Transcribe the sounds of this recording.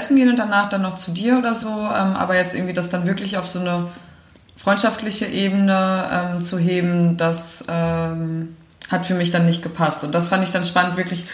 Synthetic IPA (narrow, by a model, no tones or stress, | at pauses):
ɛsn̩ɡeːənʊntd̥anaːχd̥anːɔχt͡sudiːɐʔoːdɐzoːʔɛ̰ːmʔa̰ːbɐjɛt͡stʔɪɐɡŋ̩viːdasd̥anvɪɐklɪçaʊfz̥oːnə | fʁ̥ɔʏntʃaftlɪçəʔeːbənəʔɛːmt͡suɦeːbm̩dasʔɛːm | hatfyːɐmɪçd̥anːɪçt̚ɡ̥əpʰastʊnt̚d̥asfandəɪçd̥anʃpanəntv̥ɪɐklɪç